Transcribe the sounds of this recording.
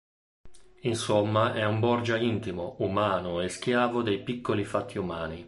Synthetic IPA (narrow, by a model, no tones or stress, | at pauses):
insomːaʔɛumbɔrd͡ʒaint̪imoumaːnoesk̟jaːvod̪ejpikːolifat̪ʰːiumaːni